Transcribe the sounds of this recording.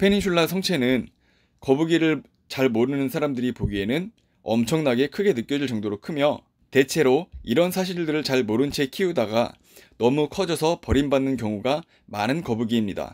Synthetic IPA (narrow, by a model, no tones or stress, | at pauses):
pʰe̞niɕʰuɭːasʰʌŋt͡ɕʰe̞nɯn | kʌbuɡiɾɯɭ | t͡ɕaɭmoɾɯnɯnsʰaɾamdɯɾipoɡie̞nɯn | ʌ̰mt͡ɕʰʌŋnaɡe̞kʰɯɡe̞nɯk͈jʌd͡ʑiɭt͡ɕʌŋdoɾokʰɯmjʌ | te̞t͡ɕʰe̞ɾoiɾʌnsʰaɕ̬ʰiɭdɯɾɯɭt͡ɕaɭmoɾɯnt͡ɕʰe̞kʰiudaɡa | nʌmukʰʌd͡ʑʌsʰʌpʌɾimbanːɯnkjʌŋuɡa | manɯnkʌbuɡiːmɲida̰